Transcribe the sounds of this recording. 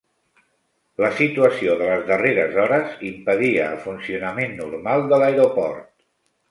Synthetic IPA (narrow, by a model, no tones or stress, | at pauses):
ləsit̪uəsioðələzðəreɾəzɔɾəzimpəðiəːlˠfunsiunəmenːuɾmalˠd̪əlaeɾopɔɾt̪̚